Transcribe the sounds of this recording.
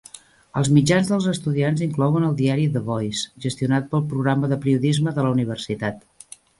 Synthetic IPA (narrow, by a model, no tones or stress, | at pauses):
əlˠzmid͡ʒanzðəlˠzəst̪uðianziŋklɔwənəlˠd̪iaɾiðəβɔjsʒəst̪iunat̪̚pəlˠpɾuɣɾaməðəpɾiuðizməðələuniβ̞ərsit̪at̪